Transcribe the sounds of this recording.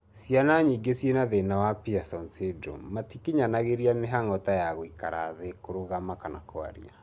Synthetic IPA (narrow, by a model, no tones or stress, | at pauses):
sianaɲiɡesjenaðenawapiasɔnsedo̰matikiɲanaɣeɾiameɦaŋɔtajaɣoikaɾa̰ðekoɾoɣamakana̰koa̰ɾḭa̰